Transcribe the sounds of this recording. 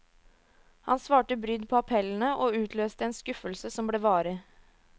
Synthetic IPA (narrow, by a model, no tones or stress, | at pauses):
hɑ̰nsʋɑːʈəbɾʏd̪pʰɔːɑpʰɛln̩əʔoːʉːt̪ʰløːst̪əɛːnskʉfəlsəsɔmbleːʋɑːɾə